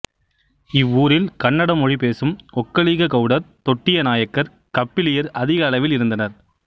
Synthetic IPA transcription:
ɪʋːuːɾɪlkɐɳːɐɽɐmɔɻip̬eːsɯmɔkːɐɭiːɣɐkɐʊɽɐɾt̪ɔʈːɪjɐnaːjɐkːɐɾ | kɐpːɪlɪjɐɾɐðɪɣɐːlɐʋɪlɪɾɯnd̪ɐnɐɾ

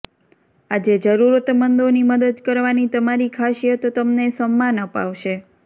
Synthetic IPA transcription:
ad͡ʒed͡ʒəɾuɾət̪mənd̪oniməd̪əd̪kəɾʋanit̪əmaɾikʰaʃijət̪ːəmnesəmːanəpa̰ʋʃe

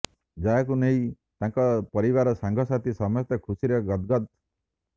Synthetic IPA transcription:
d͡ʒaakuneĩ | t̪aŋkɔpɔɾiβaɾɔsaŋɡʱɔsat̪ʰisɔmɔst̪ɔkʰusiɾɔɡɔt̪ɡɔd̪̚

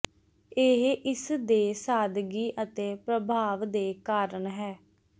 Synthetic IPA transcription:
eɦʔɪsd̪eːsaːd̪ɡiːʔət̪eːpɾəbʱaːʋd̪eːkaːɾəɳɦɛː

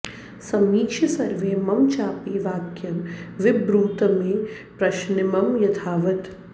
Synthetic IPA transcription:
sɐmiːkʃɐsɐɾʋeːmɐmt͡ʃaːpiːʋaːkjɐmʋɪbɾuːt̪ɐmẽ | pɾɐʃnɪmɐmjɐt̪ʰaːʋɐt̪

